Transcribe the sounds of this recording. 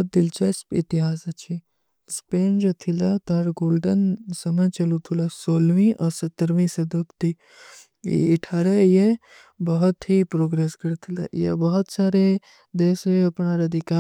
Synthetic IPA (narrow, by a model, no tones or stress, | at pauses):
t̪̚d̪ilt͡ʃʰɐsit̪iɦaːsɐt͡ʃʰi | speːnd͡ʒɐt̪ʰilɐt̪aɾɡoːlɖənsɐmɐt͡ʃɐlut̪ʰulɐsoːlʋĩʔɐsɐt̪ːəɾʋĩsɐd̪ɐpt̪i | ḭːʈʰaɾɐje | bɐɦɔt̪ɦipɾoːɡɾeːskɐɾt̪ʰilɐ̰jḛbɐɦɔt̪saːɾe | d̪eːseɐpɳaːɾɐd̪ʱikaː